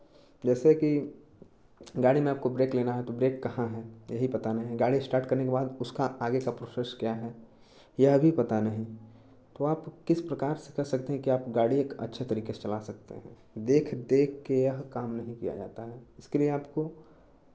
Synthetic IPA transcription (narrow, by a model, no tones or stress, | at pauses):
d͡ʒɛːseki | ɡaːɽimẽaːp̚kobɾeːkleːnaɦɛt̪obɾeːkːɐɦãɦɛːjɐɦipɐt̪anəɐɦĩɦɛ̃ɡaːɽisʈaːɾʈkɐɾnekebaːd̪ʊskaʔaːɡekapɾoːsɛʃkjaɦɛː | jɐɦbʱipɐt̪anɐɦĩ | t̪oaːpkɪspɾɐkaːɾse̥kɛɦsɐk̚t̪eɦɛ̃kiaːpɡaːɽieːkɐ̰tːʃʰet̪ɐɾiːkese̥t͡ʃɐlasɐk̚t̪ḛɦɛ̃ː | d̪eːkʰd̪eːkʰːejɐɦkaːmnɐɦĩkḭja̰d͡ʒa̰ːt̪aɦɛːɪskelieaːpko